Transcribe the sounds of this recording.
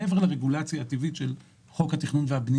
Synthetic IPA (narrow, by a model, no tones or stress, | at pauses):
eveʁlaʁeɡulat͡sjaːt̪ivitʃel | χo̞khat̪iχnunveabni